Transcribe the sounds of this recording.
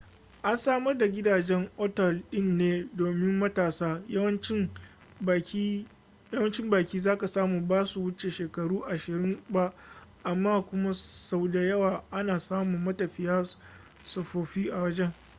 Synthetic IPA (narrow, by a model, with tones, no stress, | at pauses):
ʔa˦nsaː˦mɐ˦rda˨ɡʲɪ˦daː˨d͡ʒɛ˦ŋʔɔ˦tɛ˨lɗɪ˦nːeː˦doː˨mɪ˦mːɐ˦taː˨saː˦wɐ˦n˦ | jɐ˦wɐ˦nt͡ʃɪ˦mbaː˨kʲiː˦zaː˦ka˨saː˦muː˨baː˦su˨wʊ˦t͡ʃe˨ʃeː˨kɐ˨ɽuː˦ʔa˨ʃɪ˨ɾɪ˦mba˦ʔʔa˨mːaː˦kʷʊ˦ma˦sa˦˨wda˨jɐ˦waː˨ʔa˦naː˨saː˦mu˨mːɐ˦tɐ˨ɸɪ˦jaː˦ | sɐ˨ɸoː˨ɸiː˦ʔa˨wɐ˦d͡ʒɛ˦ŋ